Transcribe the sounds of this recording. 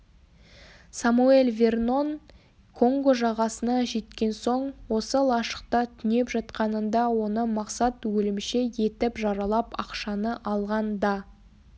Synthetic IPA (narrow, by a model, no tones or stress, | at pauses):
samue̞lʲvʲe̞rno̞n | kʰo̞ŋɡoʒɑʁɑsənɑʒe̞t̪kʲe̞nso̞ɴwo̞səlˠɑʃə̥qt̪ɑt̪ʰʏne̞pʒɑt̪qɑnənd̪ɑwo̞nəmɑqsɑt̪wɵlɪmʃe̞je̞t̪ɪpʒɑɾɑlˠɑpɑqʃɑnəʔɑlˠʁɑnd̪ɑ